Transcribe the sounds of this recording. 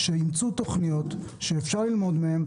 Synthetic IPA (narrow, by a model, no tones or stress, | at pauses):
ʃeimt͡sut̪o̞χnijo̞t̪ʃeːfʃaʁlilmo̞d̪mehem